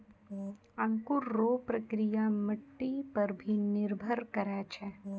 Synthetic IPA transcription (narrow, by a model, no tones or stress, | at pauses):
ɐ̃ŋkuɾːoːpɾɐkɾijaməʈːipɐɾbʱinɪɾbʱəɾkɐɾɛːt͡ʃʰɛ